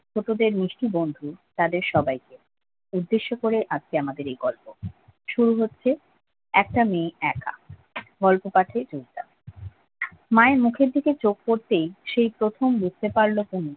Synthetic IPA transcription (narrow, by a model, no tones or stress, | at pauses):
t͡ɕʰoʈod̪eɾniʃʈibond̪ʱut̪ad̪eɾʃɔbajke | ud̪ːeʃːokoɾeʔat͡ɕʰeamad̪eɾejɡɔlpo | ʃuɾuɦotːɕʰe | ɛk̚ʈameɛka̰ɡɔlpopaʈʰed͡ʑoɦit̪a̰ | maemukʰeɾd̪ʱiket͡ɕok̚koɾt̪ejʃejpɾot̪ʰombust̪epaɾlokuni